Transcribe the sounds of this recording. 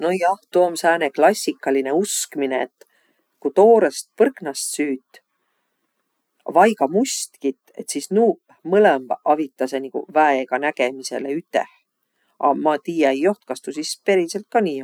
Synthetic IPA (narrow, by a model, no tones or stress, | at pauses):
nojɑht̪uomsæːneklɑsʲːikːˑɑline̞uskmine̞et̪ː | kut̪o̞ːɾest̪̚pɤrknɑst̪syːt̪ːˑ | vɑjɡɑmust̪kit̪ːe̞t̪sisnu | mɤlembɑvit̪ːˑɑsenikṵvæeɡ̥ɑnæɡ̥e̞mise̞̰leyt̪ˑːḛh | ʔɑ̰mɑt̪iːjɑejo̞ht̪kɑst̪usispe̞ɾise̞lt̪̚kɑniː